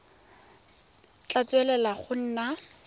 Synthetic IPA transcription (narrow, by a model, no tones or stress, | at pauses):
t͡ɬʼat͡sʼwɛlɛlaχʊn̩ːna